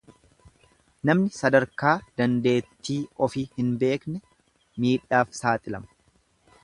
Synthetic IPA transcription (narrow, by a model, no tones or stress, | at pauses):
nɐmnɪsɐd̪ɐɾkaːd̪̥ɐnd̪e̞ːt̪ːiːɔfiːhɪnbe̞ːknɛ | miːᶑaːfsaːt̪ʼɪlɐ̰mɐ̥